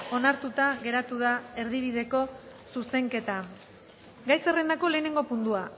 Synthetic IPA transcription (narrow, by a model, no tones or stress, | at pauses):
o̞naɾt̪ut̪aɣe̞ɾat̪uðae̞ɾðiβ̞iðe̞ko̞suse̞ŋke̞t̪a | ɡajsere̞nd̪ako̞le̞ːne̞ŋɡo̞pund̪ua